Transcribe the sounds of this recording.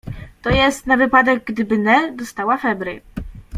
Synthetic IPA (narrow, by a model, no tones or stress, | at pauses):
t̪ɔjɛst̪navɘpad̪ɛɡɡd̪ɘbɘnɛd̪ɔst̪awafɛbɾɘ̰